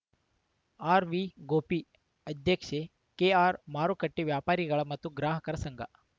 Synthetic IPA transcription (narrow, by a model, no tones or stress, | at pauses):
aɾʋiːɡopiː | əd̪ʱjəkʂe | keaɾmaɾukəʈːiʋjapaɾiɡaɭamat̪uːɡɾaɦəkəɾsəŋɡa̰